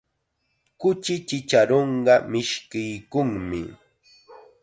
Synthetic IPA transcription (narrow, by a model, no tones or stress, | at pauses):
kʊt͡ʃɪt͡ʃɪt͡ʃaɾoɴɢɑmɪʃkɪjkʊŋmɪ̰